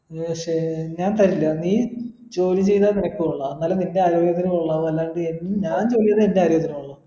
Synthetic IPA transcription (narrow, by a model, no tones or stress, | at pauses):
ʂeɲaːnt̪ɐɾilːɐniː | t͡ɕo̞ːlit͡ɕe̞jt̪aːninɐkʲːuuɭːɐɐnːaːleninde̞aːɾoːjɐt̪ːɐɾɐmuɭːɐʋɐlːaːɳɖɨenːumɲaːnt͡ɕo̞ːlijɐðɐendeaːɾjoːjt̪ːɐɾɐmuɭːɐ